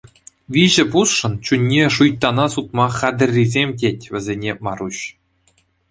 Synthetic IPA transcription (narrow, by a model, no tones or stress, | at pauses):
ʋʲiʑɘ̆pusʂɤ̆nt͡ɕunʲːeʂujt̪ːɑnɑsut̪mɑχɑd̪ʲɘ̆rʲːizʲemʲt̬ʲetʲʋʲɘ̆zʲenʲemɑɾuɕ